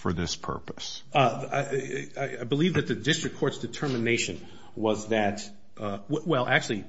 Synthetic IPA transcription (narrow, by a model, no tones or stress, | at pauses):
fə˞ðɪspʰɜ̰˞pəs | aaɪaɪbəlivðɨt̪̚ðɨdɪstɹ̥ɨkʰːɔɹtsd̥ɨtʰɜ˞mɨneɪʃɨ̃n | wʌzðɨt̚ | wwɛlˠʔæk̚t͡ʃʉl̩ˠi